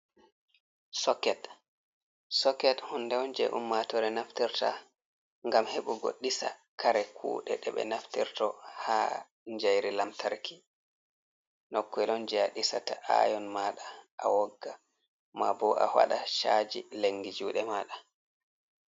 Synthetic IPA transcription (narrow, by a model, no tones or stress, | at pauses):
sɔkɛt | sɔkːɛthundɛɔnd͡ʒɛ̰ʔṵmːatɔɾɛnaftiɾta̰ | ŋɡamheɓuɡo̰ɗːisakʰaɾɛkʰṵːɗɛɗɛɓɛ̰naftiɾtɔha | ɲd͡ʒajɾilamtʰaɾkʰi̥ | nɔkːɛlɔnd͡ʒɛaɗisataʔa̰jɔnmaːɗaʔawɔɡːa | mabɔʔa̰wa̰ɗaʃad͡ʒileŋɡid͡ʒuːɗɛmaɗa